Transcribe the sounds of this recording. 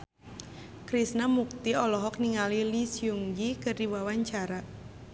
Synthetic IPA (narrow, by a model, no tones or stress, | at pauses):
kɾisnamuk̚t̪iɔlɔɦɔk̚niŋalilisjuŋɡikɨrdiwawaɲt͡ʃaɾa